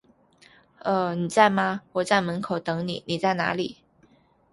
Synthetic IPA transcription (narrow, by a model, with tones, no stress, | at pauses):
ə˥˧˩ni˨˩t͡sa˥˩ɪma˧wɔ˨˩t͡sa˥˩ɪmə˧˥nkʰo˨˩ʊt̪ɤ˧˥ŋni˨˩ni˨˩t͡sa˥˩ɪna̰˧˥li˨˩˦